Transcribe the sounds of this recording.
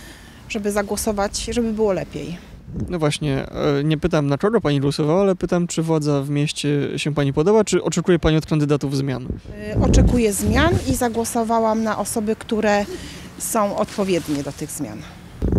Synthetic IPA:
ʐ̥ɛbɘzaɡwɔsɔvat͡ɕʐɛbɘbɘwɔlɛpʲjḛj | nɔvwaɕɲɛ̰ɲɛpɘt̪amnakɔɡɔpaɲiɡwɔsɔvawaalɛpɘt̪amt͡ʂɘvwad̪zavmʲjɛɕt͡ɕɛɕɛpaɲipɔd̪ɔbat͡ʂɘʔɔt͡ʂɛkujɛpaɲiɔt̪kand̪ɘd̪at̪uvzmʲjanʔɔt͡ʂɛkujɛzmʲjanizaɡwɔsɔvawamnaʔɔsɔbɘkt̪uɾɛ | sɔ̃w̃ɔt̪pɔvʲjɛd̪ɲɛd̪ɔt̪ɘɣzmʲja̰n

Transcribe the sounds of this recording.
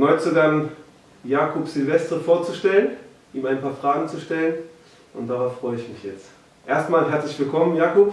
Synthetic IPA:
nɔʏt͡suɡan | jaːkʰɔpsɪlvɛstəfoːɐt͡suʃtɛlən | ʔiːmaɪnpʰaːɐfʁ̥aːɡŋ̩t͡suʃtɛlən | ʔʊntd̥aʁaʊfʁ̥ɔʏəɪçmɪçjɛt͡st | ʔeːɐstmaːlɦɛɐt͡slɪçv̥ɪlkʰɔmənjaːkɔp

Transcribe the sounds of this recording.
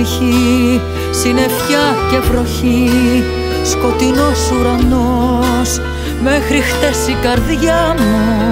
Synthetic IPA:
çi | sine̞fçɐce̞vɾo̞çi | sko̞t̪ino̞suɾɐnos | me̞xɾixt̪e̞sikɐɾðʝɐmu

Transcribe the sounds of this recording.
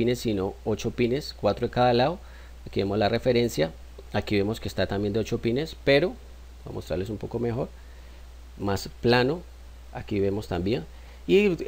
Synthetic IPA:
inesːino̞ot͡ʃo̞pine̞skwat̪ɾoekaðalao | akiβe̞mo̞zlare̞fe̞ɾe̞nsja | akiβe̞mo̞skest̪at̪ambje̞nd̪eot͡ʃo̞pine̞spe̞ɾo̞ | ba̰most̪ɾa̰ɾlesumpo̞ko̞me̞xo̞ɾ | masplano̞ | akiβe̞mo̞st̪ambje̞n | i

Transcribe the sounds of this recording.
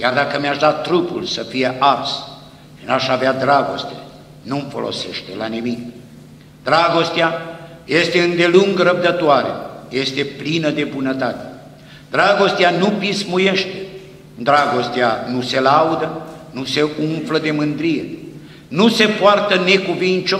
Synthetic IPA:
jard̪akəmeaʃd̪at̪ːɾupṵlsəfije̞ʔas | naʃavead̪ɾaɡo̞̰st̪ḛ | numfo̞lo̰se̞̰ʃt̪e̞̰lanimik | d̪ɾaɡo̞st̪eaje̞st̪eɨnd̪e̞luŋɡɾəb̚d̪ət̪oaɾḛje̞st̪e̞plinəd̪e̞bunət̪at̪e̥ | d̪ɾaɡo̞st̪eanupismuje̞ʃt̪e̥ | d̪ɾaɡo̞st̪eanuse̞laud̪ənuse̞uɱfləd̪e̞mɨnd̪ɾije | nuse̞poart̪əne̞kuvint͡ʃo

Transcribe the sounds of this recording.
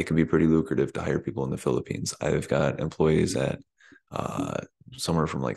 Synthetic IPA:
ɨt̚kʰɨ̃n̩bipʰɹ̥ɪɾilukɹɨɾɨv̥tʰɨhaɪə˞pʰipl̩ˠə̃nðəfɪlˠəpʰḭ̃nz̥a̰ɪvɡɑɾɨ̰̃mpʰl̥ɔɪizɨ̰t̚ | ʌ̰ | sʌ̃mwɛɹfɹʌ̃mla̰ɪk

